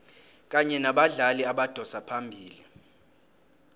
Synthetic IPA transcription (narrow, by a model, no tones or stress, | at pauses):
k̬ʼaɲɛnaɓaɮaliaɓad̥ʱɔsapʰambʱiːli